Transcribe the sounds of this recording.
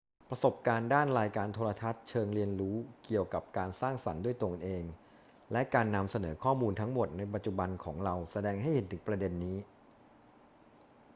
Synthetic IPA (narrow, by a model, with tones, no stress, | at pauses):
pɾa˧so˨˩p̚kaː˧ndaː˥˩nɾaː˧jkaː˧nt̪ʰoː˧ɾa˧t̪ʰa˦˥t̪̚t͡ɕʰɤː˧ŋɾi˧ənɾuː˦˥ki˨˩əwka˨˩p̚kaː˧nsaː˥˩ŋsa˩˦ndu˥˩əjt̪o˧ŋʔeː˧ŋ | lɛ˦˥kaː˧nːa˧msa˧nɤː˩˦kʰɔː˥˩muː˧nt̪ʰa˦˥ŋmo˨˩t̪̚na˧jp̬a˨˩t̪̚t͡ɕu˨˩ba˧nkʰɔː˩˦ŋɾa˧wsa˧dɛː˧ŋɦa˥˩jhe˨˩˦nt̪ʰɯ˩˦ŋpɾa˧de˧nːiː˦˥